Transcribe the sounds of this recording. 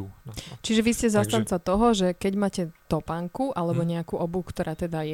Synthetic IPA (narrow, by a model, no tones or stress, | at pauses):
t͡ʃiʒɛʋiscɛzast̪ant͡sat̪ɔɦɔʒɛkɛɟmaːcɛt̪ɔpaŋkuʔalɛbɔɲɛakuʔɔbukt̪ɔɾʔaːt̪ɛd̪ajɛ